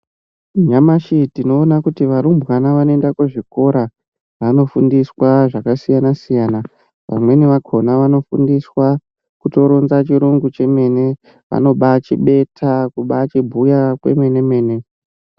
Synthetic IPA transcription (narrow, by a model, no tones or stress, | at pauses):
ɲamaʃitino̞ːnakutiʋaɾumbwanaʋanoendakuʐiko̞ɾa | ʋano̞fundiswaʐakasijanasijaːna | ʋa̰mwe̞neʋakʰo̞naʋano̞fṵndiswa | kuto̞ɾonzat͡ʃiɾuŋɡut͡ʃe̞me̞ːne̞ | ʋa̰no̞ɓat͡ʃiɓe̞tʰakuɓat͡ʃibʱujakwe̞̰me̞ne̞me̞ːne̞